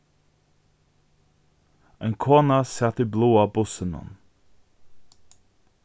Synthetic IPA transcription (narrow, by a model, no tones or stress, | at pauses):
ɛɪnkʰoːnasɛt̪ibloːabʊsənɔ̰n